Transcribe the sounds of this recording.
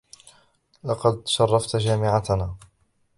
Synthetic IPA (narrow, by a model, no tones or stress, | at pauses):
lɑqɑd̪ʃɑrˤːɑft̪d͡ʒaːmɪʕat̪naː